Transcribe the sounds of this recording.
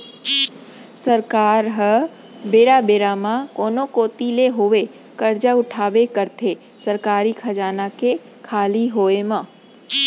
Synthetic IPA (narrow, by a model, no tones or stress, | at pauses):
səɾkaːɾɦə | beːɾabeːɾamãkoːnokoːt̪ileɦoʋe | kəɾd͡ʒaʊʈʰaːbekəɾt̪ʰe | səɾkaːɾikʰɐd͡ʒaːnake | kʰaːliɦoːemãː